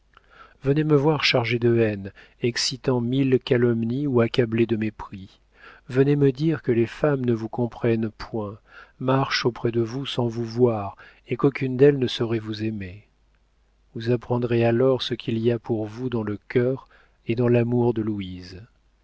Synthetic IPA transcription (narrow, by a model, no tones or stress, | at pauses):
vəneməvwaʁʃaʁʒed̪əɛn | ɛksit̪ɑ̃milkalɔmniuakabled̪əmepχi | vəneməd̪iʁkəlefamnəvukɔ̃pχɛnpʰwɛ̃maʁʃopχɛd̪əvusɑ̃vuvwaʁ | ekokʲynd̪ɛlnəsɔʁɛvuzeme | vuzapχɑ̃d̪ʁealɔʁsəkʲʰiliapuʁvud̪ɑ̃ləkʲœʁ | ed̪ɑ̃lamuʁd̪əluiz